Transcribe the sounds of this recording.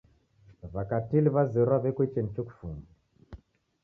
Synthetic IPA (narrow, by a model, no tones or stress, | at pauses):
βakatiliβazɛɾaβɛkwɛt͡ʃɛnit͡ʃoku̥fumbiɛ